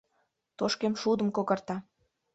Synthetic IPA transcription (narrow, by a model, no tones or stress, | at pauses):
t̪oʃkemʃud̪ə̆mkokə̆rt̪ɑ